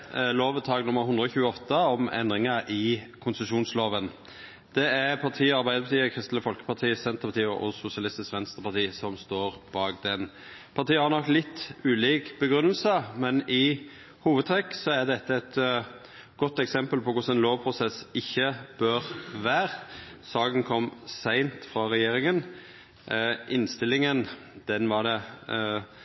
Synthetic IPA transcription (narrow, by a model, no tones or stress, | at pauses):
loːʋəd̪̚t̪ʰɑːɡnʊmːəɾhʊnd̪ʁəɔçʉːəɔt̪ːəɔmɛ̰nd̪ɾʁɪŋɑʔɪkʰʊnsəʃuːnsloːʋən | d̪̥ɛæɾpʰɑʁt̪ʰiːɑɾbæɪd̪əpɑt̪iːəkʰʁɪst̪l̩əfɔlkə̥pʰɑt̪ʰiːsɛnt̪əʁpɑt̪iːɔ̰ʔɔsʊsɪɑlɪst̪ɪskʋɛnst̪əpɑɾt̪ʰiːsɔmst̪oːʁb̥ɑːɡd̪ɛn | pʰɑɾt̪iːhɑɾnɔkːlɪt̪ːʉːliːkb̥əɡɾʉnːəlsəmɛnɪ | huːʋəd̪t̪ʰɾɛkːsɔæd̪ɛt̪ʰːəɛt̪ | ɡ̥ɔt̪ːɛksɛmpəlpɔkʊsɛnloːʋpʰɾʊsɛsɪçːəb̥øʁʋæːʁ | sɑːɡənkʰɔmsæɪnt̪fɾɑɾɛjeːɾɪŋən | ʔɪnst̪ɪlɪŋən | d̪̥ɛnʋɑd̪ɛ